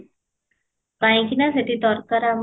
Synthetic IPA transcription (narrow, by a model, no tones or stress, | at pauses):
paj̃kinaset̪id̪ɔɾkaɾam